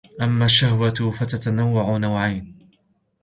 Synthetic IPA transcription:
ʔamːaːʃːahwat̪fat̪at̪anawːaʕʊnawʕajn

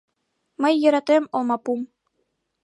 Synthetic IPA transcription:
mɤ̆jːɤ̆ɾɑt̪emŏlˠmɑpum

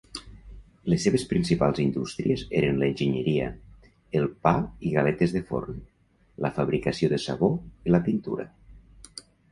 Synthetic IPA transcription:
lesːeβespɾinsipalˠzind̪ust̪ɾiezeɾenləenʲʒiɲəɾiə̰ | elˠpaiɣalet̪ezðəfo̰rn | ləfaβɾikəsioðəsa̰βoiləpint̪ṵɾə̰

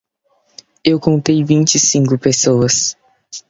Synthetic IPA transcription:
ewkõnt̪ejvĩnt͡ʃɪsĩŋkʊpesowɐs

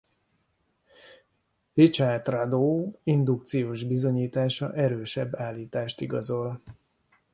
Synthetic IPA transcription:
rit͡ʃaːt̪rad̪oːind̪uk̚t̪sijoːʒbizo̞ɲiːt̪aːʃɒ̰ʔɛɾøːʃɛbːaːlːiːt̪aːʃt̪iɡɒzo̞l

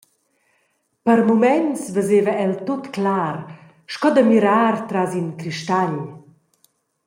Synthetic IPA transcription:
pəɾmumɛnsvəzevəɛlt̪ot̪klaːɾ | ʃkɔd̪əmiɾaːrt̪ɾazinkɾiʃt̪aʎ

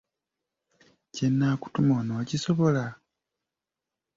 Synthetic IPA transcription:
cenːaːku̥tumoːnoːciso̞βo̞la

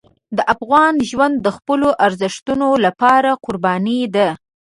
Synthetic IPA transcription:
d̪əʔafɣɑnʒwand̪ːəxpəloʔaɾzɪʂt̪unolapɑɾaqʊɾbɑnid̪a

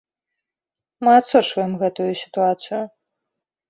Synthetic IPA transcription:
mɨat̪sɔt͡ʂvɐjɛmɣɛt̪ujusʲi̥t̪uat̪sɨju

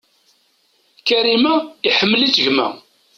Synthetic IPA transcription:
kæɾimæiħəmːlit͡sːəʝmæ̰

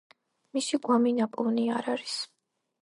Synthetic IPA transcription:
misiɡwaminapʼuvniaɾaɾis

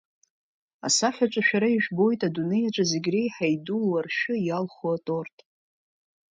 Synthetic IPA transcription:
a̰saħʲᶣat͡ʃʷʼaʃᶣaɾaiʒᶣbo̞jtʼadune̞jaʈ͡ʂʷʼazeɡʲre̞jħajdulwarʃʊjalχoatʼo̞rtʼ

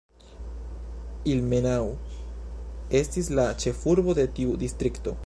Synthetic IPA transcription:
ilmenawu | e̞stislat͡ʃe̞fuɾbo̞d̪etiud̪ist̪ɾikto̞̰

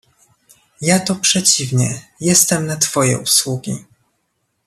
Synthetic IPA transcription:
jat̪ɔpʂɛt͡ɕivɲɛjɛst̪ɛmnat̪fɔjɛ̰ʔuswuɡʲḭ

